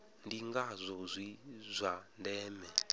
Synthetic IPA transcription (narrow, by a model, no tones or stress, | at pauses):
ndiŋɡazʷɔzʷizʷandɛːmɛ